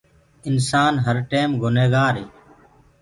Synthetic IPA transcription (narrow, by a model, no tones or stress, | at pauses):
ɪnsaːnɦəɾʈeːmɡʱʊneːɡaːɾɦeː